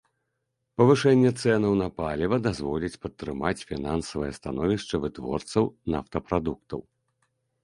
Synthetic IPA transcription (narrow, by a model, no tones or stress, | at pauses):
pɐvɨʂɛnʲːɛt̪sɛnɐwnɐpalʲivɐd̪azvɔlʲit͡sʲpɐt̪ːɾɨmat͡sʲfʲinansɐvɨjɛst̪anɔvʲiʂt͡ʂɐvɨt̪vɔ̰rt̪sɐwna̰ft̪ɐpɾad̪uk̚t̪ɐ̰w